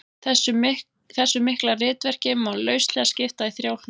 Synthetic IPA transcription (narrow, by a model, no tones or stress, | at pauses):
ɛsʏ | θɛsːʏmːɪhklarɪːt̪vɛr̥cɪmːalœːɥst̪lɛɣascɪft̪aðiθɾjaːwl̥n